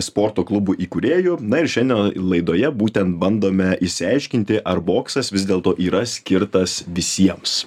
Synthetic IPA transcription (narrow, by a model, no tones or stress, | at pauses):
spoːɾt̪oːklˠʊbuːʔiːkuɾʲeːjʊnɐɪɾʃʲɛnʲd̪ʲɛnlˠɐɪd̪oːjɛbuːt̪ʲɛnt̪̚bɐnd̪oːmʲɛʔɪʃʲsʲɪɐɪʃʲkʲɪnʲt̪ʲɪʔɐrboːksɐsʋʲɪzd̪ʲeːlˠt̪oːʔiːɾɐsʲkʲɪɾt̪ɐsʋʲɪsʲiɛms